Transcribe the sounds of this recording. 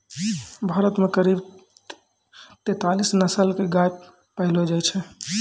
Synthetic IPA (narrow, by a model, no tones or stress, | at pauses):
bʱaːɾət̪mekəɾib | t̪et̪alisnəsəlkeɡaj | pəɦɪlod͡ʒajt͡ʃʰɛ